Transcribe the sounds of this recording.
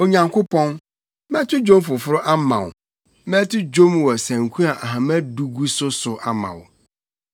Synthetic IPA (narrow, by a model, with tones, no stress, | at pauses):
o˨ɲã˨ŋkʰʊ˦pʰɔ̃˦n | mɛ̃˦tʰʊ˦d͡ʑõ˦m˦fʊ˨fʊ˦ɾʊ˦ʔa˦mã̰˨wʊ̰˨ | mɛ̃˦tʰʊ˦d͡ʑo˦mwɔ˨sæ̃˨ŋ˨kʷʰũ˦a˨ʔa˨ɦã˨mæ˦du˨ɡu˦sʊ˦sʊ˨ʔa˨mã̰˨wʊ˨